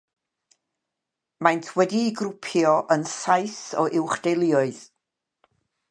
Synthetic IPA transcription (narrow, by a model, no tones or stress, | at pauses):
majntʰwɛdiːɡrʊpʰjɔʔənsajθɔʔɪwχd̥ejlˠɪɔɨð